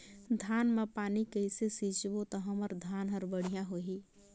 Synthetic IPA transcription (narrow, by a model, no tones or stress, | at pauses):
d̪ʱaːnmãpaːnikəɪsesiːt͡ʃbot̪əɦəməɾd̪ʱaːnɦəɾbəɽ̤ijãɦoːɦiː